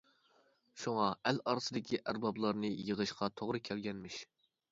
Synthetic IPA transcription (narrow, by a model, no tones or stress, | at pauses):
ʃuŋɑælɑɾɨsɨd̪ɪkʲʰiʔæɾbɑblˠɑɾnɨjəʁəʃqʰɑt̪ʰoʁɾɨkʲʰɛlɡʲɛnmɪʃ